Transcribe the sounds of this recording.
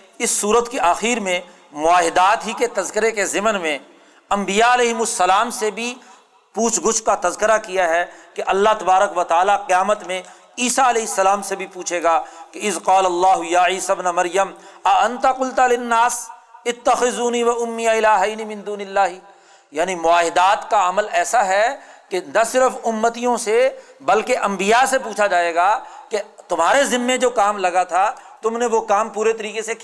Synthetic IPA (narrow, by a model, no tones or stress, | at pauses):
ɪsːuːɾət̪kiʔaːxiːɾmẽ | mʊaːɦɪd̪aːt̪ɦiket̪ɐzkɪɾekezɪmənmẽ | ɐ̃mbijaɐlɛːɦɪmʊsːɐlaːmsebʱi | puːt͡ʃʰɡʊʃkat̪ɐzkɪɾakijaɦɛkeʔɐlːaɦt̪ɐbaːɾəkʋɐt̪aːlaqɪjaːmət̪mẽ | iːsaɐlɛːɦɪsːɐlaːmsebʱipuːt͡ʃʰeːɡaːkeɪðqaːlɐlːaːɦʊjaːʕiːsabnamɐɾjəmɐɐ̃nt̪aqʊlt̪alɪnːaːsɪt̪ːɐxɪzuːniʋɐʊmːɪjaɪlaːɦaːnimɪ̃nd̪uːnɪlːaːɦi | jaːnimʊaːɦɪd̪aːt̪kaɐməlɛːsaɦɛkenɐsɪɾəfʊmːət̪ijõsebɐlkeʔɐ̃mbijasepuːt͡ʃʰad͡ʒaːeːɡaːket̪ʊmɦaːɾezɪmːẽd͡ʒoːkaːmlɐɡat̪ʰat̪ʊmneʋokaːmpuːɾet̪ɐɾiːkese